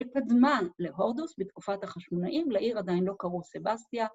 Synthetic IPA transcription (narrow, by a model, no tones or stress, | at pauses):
ekadmaleɦo̞ʁd̪usbet̪kufathaχaʃmonaʔimlaʔiʁadainlo̞kaʁusebastia